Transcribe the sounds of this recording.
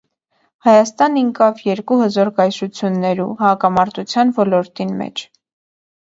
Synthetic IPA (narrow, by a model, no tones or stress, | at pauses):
hɑjɑst̪ɑniŋkɑvjɛɾkuhəzɔɾkɑjʃut͡sʰjunːɛɾṵhɑkɑmɑɾt̪ut͡sʰjɑnvɔlɔɾt̪inmɛ̰t͡ʃʰ